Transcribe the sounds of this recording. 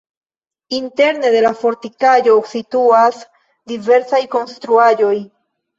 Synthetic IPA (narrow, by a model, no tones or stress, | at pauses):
inte̞ɾne̞de̞lafo̞ɾtikad͡ʒo̞situas | dive̞ɾsajko̞nstɾuad͡ʒo̞j